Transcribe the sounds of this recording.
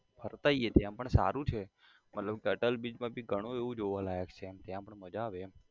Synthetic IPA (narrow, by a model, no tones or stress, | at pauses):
pʰəɾt̪aiet̪jãpəɳsa̰ɾũt͡ʃʰe | mət̪ləbkeəʈəlbid͡ʒmãbʱiɡʱəɽ̃ũeʋũd͡ʒoʋãlajəkt͡ʃʰet̪jãpəɳməd͡ʒaʋe